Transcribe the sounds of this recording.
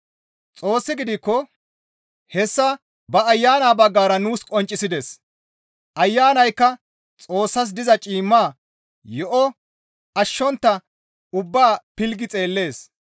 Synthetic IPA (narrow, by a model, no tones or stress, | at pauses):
t͡sʼo̞ːsːɪɡɪd̪ɪkːɔ | hɛsːɐ | bɐːjːaːnaːbɐɡːaːɾɐnuːskʼɔnt͡ʃʼːɪsɪd̪es | ʔɐjːaːnɐjkːɐ | t͡sʼo̞ːsːɐs̬d̪ɪzɐt͡ʃʼiːmːaː | jɔʔɔ | ɐʃːɔnt̪ːɐ | ʊbːaːpɪlɡɪt͡sʼe̞ːlːe̞ːs